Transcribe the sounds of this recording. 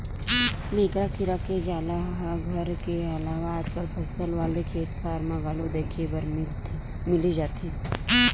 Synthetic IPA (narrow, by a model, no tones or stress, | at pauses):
mẽːkɾakʰiɾaked͡ʒaːlaɦaɡʱəɾkeɐlaːʋaːt͡ʃəlpʰəsəlʋaːlekʰeːt̪fʰaːɾmãɡaːlod̪eːkʰebəɾ | mɪlid͡ʒaːt̪i